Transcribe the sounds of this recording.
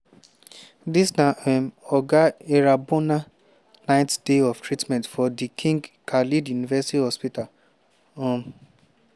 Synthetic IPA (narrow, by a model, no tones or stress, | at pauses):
disnãʔɛmɔɡaeɾabona | nãɪ̃td̥eɔftʰɹitmɛ̃ntfɔdikʰĩŋɡkʰalidjunivɛsitihɔspita | ɔ̃m